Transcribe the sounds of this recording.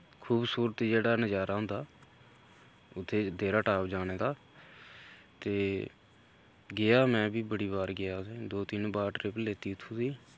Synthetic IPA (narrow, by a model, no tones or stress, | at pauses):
kʰuːbsuːɾət̪id͡ʒeːɽaːnəd͡ʒaːɾaːʊ̃nd̪aː | ʊt̪ʰːeːd̪eːɾaːʈaːpd͡ʒaːɽ̃eːd̪aː | t̪eː | ɡɪaːmɛ̃ːbiːbəɽiːbaːɾɡɪjaːsẽːd̪oːt̪ɪnbaːʈɾɪpleːt̪iːʊt̪ʰːũːd̪iː